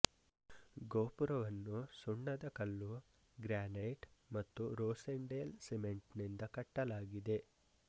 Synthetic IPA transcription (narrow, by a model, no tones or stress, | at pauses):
ɡoːpuɾɐʋɐnːusuɳːɐd̪ɐkɐlːu | ɡɾaːneːʈmɐt̪ːuɾoːseɳɖeːlsemeɳʈnind̪ɐkɐʈːɐlaːɡid̪e̞